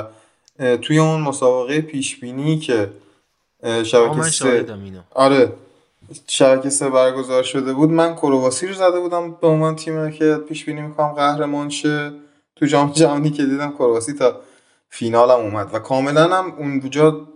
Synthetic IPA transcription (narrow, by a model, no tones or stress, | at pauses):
t̪ʰuːje̞unmosɒːbe̞ɣejepʰiːʃb̥iːniːcʰe̞ | ʃæβæceseɒɾe̞ | ʃæβæcesebæɾɡo̞zɒːɾʃo̞d̪e̞buːd̪mænkʰoɾovɒːsiːɾozæd̪e̞buːd̪æmbeonvɒːnet̪ʰiːmcʰepʰiːʃb̥iːnimikʰonæmɣæhɾe̞mɒːnʃe | t̪ʰud͡ʒɒːmed͡ʒævɒːnicʰe̞d̪iːd̪æmkʰoɾovɒːsiːt̪ʰɒː | fiːnɒːlæmuːmæd̪vækʰɒːme̞lænæmund͡ʒɒː